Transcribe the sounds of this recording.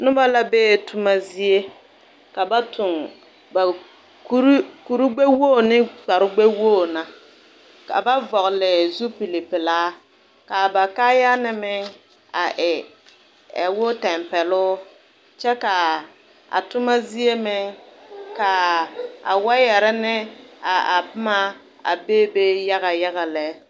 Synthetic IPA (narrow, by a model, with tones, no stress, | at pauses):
nʊ˦ba˦la˦beː˦˨tʰʊ˦ma˦zi˦e˦ | ka˨ba˦tʰʊ˨ŋ | ba˨ | ku˦ɾku˨ɾu˦ɡ͡be˦woː˦˨nɪ˦ɡ͡ba˨ɾʊ˦ɡ͡be˦woː˦˨na˨ | ka̰˨ba˦vɔ˨ɣlɪ˨zu˦pi˨le˨pɪ˨laː˦ | ka˨ba˨ka˦ja˦nɪ˨mɪ˦ŋ | a˨ʔɪ˨ | ɛ̰˨wʊ˦tɛ˨mpɛ˨lʊ˦ | t͡ʃɛ˦ka˨ | a̰˨tʊ˦ma˦zi˦e˦mɪ˦ŋka˨a̰˨wa˦jɛ˨ɾɛ˦nɪ˦a˨a˨pɪ˦ma˦ | a̰˨beː˦be˦ja˦ɣa˨ja˦ɣa˨lɛ˨˦